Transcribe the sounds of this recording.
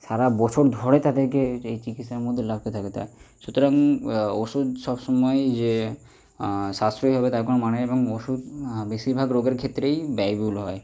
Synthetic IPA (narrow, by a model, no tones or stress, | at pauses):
ʃaɾabɔt͡ɕʰoɾd̪ʱɔɽet̪ad̪eɾkeejt͡ɕikit̪ʃaɾmod̪ʱːelab̚ʰʱt̪et̪ʰaket̪a̰eʃut̪oɾaŋoʃud̪ʃɔbʃɔmɔed͡ʑe | ʃast̪ɾojɦɔbet̪aɾkonomaneeboŋoʃud̪beʃiɾbʱaɡɾoɡeɾkʰet̪ːɾejbɛjbulɦɔe